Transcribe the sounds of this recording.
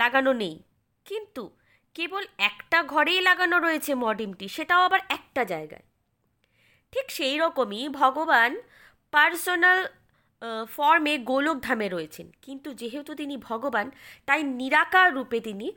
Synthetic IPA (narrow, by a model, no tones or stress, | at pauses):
laɡanonej | kint̪u | kebolɛkʈaɡʱɔɾejlaɡanoɾoet͡ɕʰemɔɖimʈiʃeʈaoabaɾɛk̚ʈad͡ʑaeɡa̰e | ʈʰikʃejɾɔkomibʱɔɡoban | paɾsonal | fɔɾmeɡolok̚d̪ʱameɾoet͡ɕʰenkint̪ud͡ʑeɦet̪ut̪inibʱɔɡobant̪ajniɾakaɾupet̪ini